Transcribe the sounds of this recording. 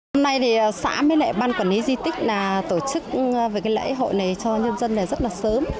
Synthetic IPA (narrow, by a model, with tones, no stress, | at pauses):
ho˧mna˧jt̪ʰi˨˩ʔə˨˩sa̰ː˧˥mə˨˦jlɛ̰˧˩ɓaː˧nkɔ˨˧˩nʔi˨˦zi˧t̪ï˦˥k̟̚naː˨˩t̪o˧˩t͡ɕɨ˦˥k̚ve˨˩kaː˨˦jlə̰˧˥jɦo̰˧˨jna˨˩jt͡ɕɔ˧ɲə˧nzə˧nːa˨˩zə˦˥t̚laː˨˩səː˨˦m